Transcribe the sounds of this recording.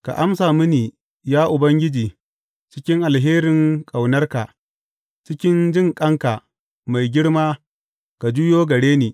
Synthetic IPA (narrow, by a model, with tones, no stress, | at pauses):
ka̰˨ʔa˦msaː˨mɪ˦niː˨ | jaː˦ʔʊ˨bɐ˦ŋɡʲɪ˦d͡ʒiː˨ | t͡ʃɪ˦kʲɪ˦ŋʔa˨lɦeː˦ɾɪ˨ŋkʼa˨wnɐ˦rka˨ | t͡ʃɪ˦kʲɪ˦nd͡ʒɪ˦˨ŋkʼɐ˦ŋka˨ | ma˨jɡʲɪ˦ɽmaː˦ | ka˨d͡ʒu˦joː˦ɡɐ˨ɽeː˦niː˨